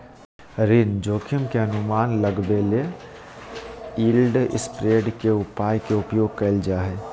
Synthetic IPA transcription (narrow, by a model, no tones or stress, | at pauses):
ɾind͡ʒoːkʰɪmkeənʊmaːnləɡbele | iːlɖɪ̰spɾeːɖkeʊpaːjkeʊpjoːɡ̚kɐld͡ʒaːɦeː